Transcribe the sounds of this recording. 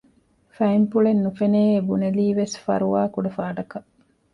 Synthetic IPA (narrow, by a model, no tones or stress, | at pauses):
fɐimpuɭenːufeneːebuneliːʋesfɐ̰ɾuʋaːkuɖɐfaːɖɐkɐ